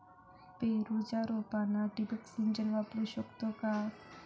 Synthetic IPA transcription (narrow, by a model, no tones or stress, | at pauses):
peɾud͡ʒaɾobanaɖibəksiɲd͡ʒənʋapɾuʃɔkt̪okas